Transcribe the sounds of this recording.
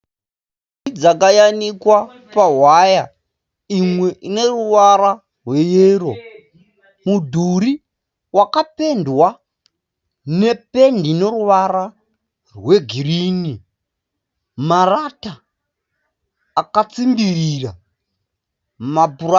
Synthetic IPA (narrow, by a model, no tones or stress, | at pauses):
id͡zakajanikwa | paɦwaja | imwe̞ʔine̞ruʋaɾa | rwe̞jeːɾo̞ | mudʱuɾi | wakape̞ndwa | ne̞pe̞ndine̞ruʋaɾa | rwe̞ɡʱiriːni | marata | kat͡simbirira | mapur